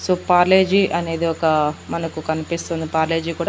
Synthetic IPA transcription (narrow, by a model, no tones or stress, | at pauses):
soːpaːɾle̞ːd͡ʒiʔɐne̞ːd̪iɔkɐmɐnɐkukɐnipist̪ond̪ipaːɾle̞ːd͡ʒikuːɽa